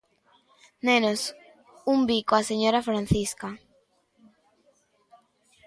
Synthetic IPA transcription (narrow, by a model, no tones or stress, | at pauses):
nenos | umbikoaseɲoɾafɾan̟θiska